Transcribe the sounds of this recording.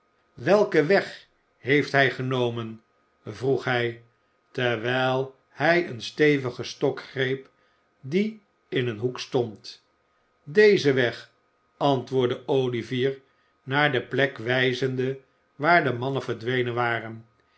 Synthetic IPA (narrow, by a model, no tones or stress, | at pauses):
ʋɛlˠkəʋɛχ | ɦejftɦɛjχənowmən | vruχɦɛj | tɛɹʋɛlˠ | hɛjənstejvəχəstɔkχrejp | di | ɪnənɦukstɔnt | dejzəʋɛχ | ɑntʋʊːɹdəowliviːɹ | naːɹdəplɛkʋɛjzəndə | ʋaːɹdəmɑnənvəɹdʋejnənʋaːrən